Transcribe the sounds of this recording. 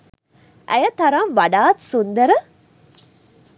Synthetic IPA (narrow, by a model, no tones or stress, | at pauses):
ʔæ̰jɐt̪ɐɾɐmʋɐɖaːt̪sund̪ɐɾɐ